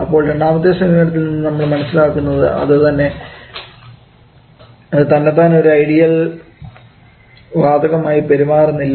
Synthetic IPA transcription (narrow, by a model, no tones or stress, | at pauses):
ɐpːo̞ːɭʈeɳaːmɐd̪ːeːsɐmiʋɐnɐt̪̬ːilninːɨnɐmːɐɭmɐnɐsːilaːkːunːɐðɨ̰ʔɐ̰ðɨt̪ɐnːe̞ | ɐɨt̪ɐnːet̪ːaːno̞ɾuɐjɽijɐl | ʋaːd̪ʱɐɣɐmaːjipe̞ɾimaːrunːilː